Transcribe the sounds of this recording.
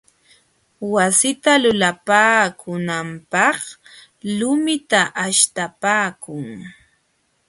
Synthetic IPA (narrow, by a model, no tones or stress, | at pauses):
wasɪt̪alʊlapaːkʊnampɑχ | lʊmɪt̪aʔaʃt̪apaːkʊŋ